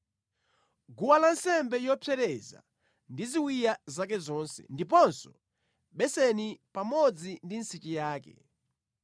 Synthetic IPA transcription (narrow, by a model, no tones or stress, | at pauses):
ɡuwalansɛmbɛjɔpʰɛɾɛza̰ | ndiziwijazakɛzɔnsɛ̰ndipɔnsɔ̥ | ɓɛsɛnipamɔd͡zindin̩sit͡ʃijaːkɛ̰